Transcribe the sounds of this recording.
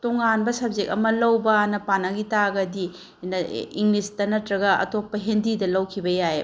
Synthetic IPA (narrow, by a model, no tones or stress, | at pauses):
toŋanbɐsɐb̚zek̚ɐ̰mɐlɐwbɐnɐpanɐɡitaɡɐdi | nɐiŋlistɐnɐtɾɐɡɐɐ̰topːɐɦendidɐlɐwkʰibɐjaje